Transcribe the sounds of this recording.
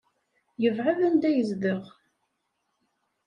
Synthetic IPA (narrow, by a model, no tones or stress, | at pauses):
jəvʕavænd̪æjəzðəʁ